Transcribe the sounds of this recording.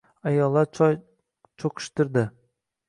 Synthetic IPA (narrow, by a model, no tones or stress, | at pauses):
ajɒlˠːa | t͡ʃʰoqʰɨ̥ʃt̪ɪɾd̪ɪ